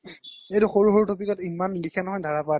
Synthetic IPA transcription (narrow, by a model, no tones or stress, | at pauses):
ejtuxoɹuɦoutopikɔtimanlikʰanɔɦɔjdʱaɹapɔa